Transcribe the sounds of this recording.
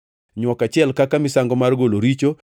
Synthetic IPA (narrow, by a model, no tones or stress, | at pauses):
ɲwɔkat͡ʃɪɛlkakamɪsaŋɡɔmarɡoloɾit͡ʃo